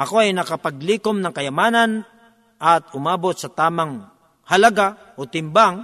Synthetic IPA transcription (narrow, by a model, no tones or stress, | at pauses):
ʔɐko̞ɐjnɐkɐpɐɡ̚liːkomnɐŋkɐjɐmaːnɐn | ʔɐt̪̚ʊmaːbot̪̚sɐt̪aːmɐŋ | hɐlɐɡa | ʔot̪ɪmbaŋ